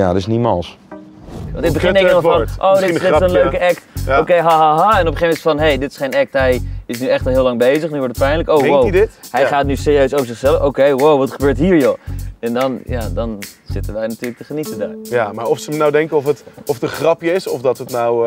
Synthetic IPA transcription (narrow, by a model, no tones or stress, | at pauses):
ja̰ətɪsnimalˠs | ʋɑntɪkɡ̚bəɪnndɛəɔɹʔowɪɪənlløɥkəʔɛktokejɦaɦaɦaɛnɔpəχejmɛtfɔnɦejdɪtɪsχejnɛk̚tɦɛjɪsnyɛχtɑlˠɦɪəlɑŋbejzəχnyʋɔɹtət̚pɛjnləkowwowdɪthɛjχaːt̚nysɪːriøɥsowvəɹzɪχsɛləfokejwowʋɑtχəbøːɹtɦiːɹjoɛndɔnjadɔnz̥ɪtənʋɛjnatyːɹlək̚təχənitəda̰ɹjamaːɹɔfsənawdɛŋkəɔfətɔfətəχrɑpjəɪsɔfdɔtətnaw